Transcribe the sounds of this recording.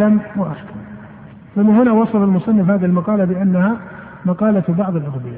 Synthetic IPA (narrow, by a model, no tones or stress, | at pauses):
amwaʔaħkam | θʊmːahʊnawɑsˤɑlalmʊsˤɑnːɪfhaːðɪɪlmɑqɑːlabɪʔanːaha | mɑqɑːlabɑʕðˤɪlʔaɣb̪ɪja